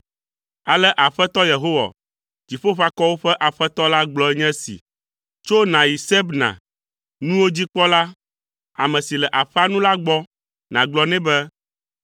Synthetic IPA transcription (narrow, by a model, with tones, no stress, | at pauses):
a˨lɛ˦ʔa˨ɸɛ˦t̪ɔ˦je˨ɦo˦wa̰˨ | d͡ʑi˨ɸo˦ɸa˦kɔ˦wo˦ɸɛ˦ʔa˨ɸɛ˦t̪ɔ˦la˦ɡ͡blɔ˦ɛ˦ɲɛ̃˦sḭ˨ | t͡ʃo˦nã˨ji˨sɛ˦bnã̰˨ | nũ˦wo˦d͡ʑi˦k͡pɔ˦la˦ | a̰˨mɛ̃˨si˨lɛ˨ʔa˨ɸɛ˦a˦nũ˦la˦ɡ͡bɔ˦ | nã˨ɡ͡blɔ˦nɛ̃˦bɛ˦